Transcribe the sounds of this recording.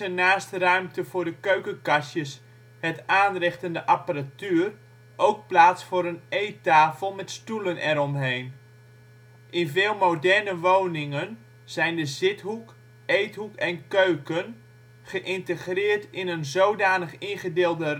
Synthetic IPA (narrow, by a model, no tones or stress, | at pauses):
ənaːstərœɥmtəvʊːɹdəkøɥkəkasjəs | hətaːnrɪχtəndəʔapəratyːr | ʔowk̚plaːsfʊːɾənejtaːfəlˠmɛtstulənɛɾɔmɦejn | ʔɪnvɪːlˠmowdɛrnəʋownɪŋən | z̥ɛjndəzɪtɦuk | ejtɦukɛnkøɥkən | χəʔɪntəχrɪːrtɪnənzowdaːnəχinχədɪːlˠdə